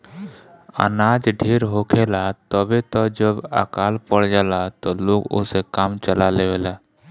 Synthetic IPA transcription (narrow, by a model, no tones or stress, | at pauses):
ə̰naːd͡ʒɖʱeːɾɦoːkʰeːlat̪ɔbʱit̪ɔd͡ʒəbə̰kaːlpəɽd͡ʒəlat̪oloːɡʊ̰sekaːmt͡ʃəlaleʋeːlaː